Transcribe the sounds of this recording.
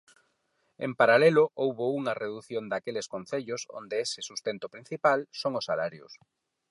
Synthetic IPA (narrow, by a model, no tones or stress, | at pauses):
ḛmpaɾalelʊʔowβouŋɐreðuθjond̪akelɪskonθeʎʊso̰nd̪eesɪsust̪ent̪opɾin̟θipalsoŋʊsːalaɾjʊ̰s